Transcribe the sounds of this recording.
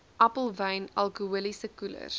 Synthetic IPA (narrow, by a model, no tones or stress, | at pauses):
ʔæpəlˠvɐjnɐlˠkuulisəkulə̰r